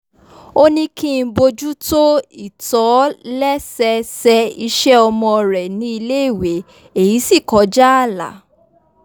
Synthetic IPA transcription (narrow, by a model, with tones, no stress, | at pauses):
o˦nĩ˧kĩ˦˧˦bo˧d͡ʒu˦to˦i˦˨tɔ˨˦lɛ˦sɛ˧sɛ˧i˧ʃɛ˦ɔ˧mɔ̃˧ɾɛ˨nĩ˦i˧le˦i˦˨we˨˦ | e˨ji˨˦si˦˨kɔ˨˦d͡ʒa˦a˦˨la̰˨˦